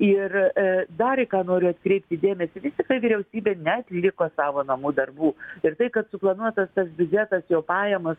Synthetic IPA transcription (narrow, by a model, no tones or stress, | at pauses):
ɪrd̪ɐɾɪkɑːnoːɾʲʊɐt̪kɾʲɛɪp̚ʲt̪ʲɪd̪ʲeːmʲɛsʲɪʋʲɪsʲt̪ʲɪktɐɪʋʲiːɾʲɛʊsʲiːbʲeːnʲɛɐt̪ʲlʲɪkoːsɑːʋoːnɐmuːd̪ɐrbuːɪrt̪ɐɪkɐt̪sʊplˠɐnuɔt̪ɐst̪ɐsbʲʊd͡ʒʲɛt̪ɐsjoːpɑːjɛmɐs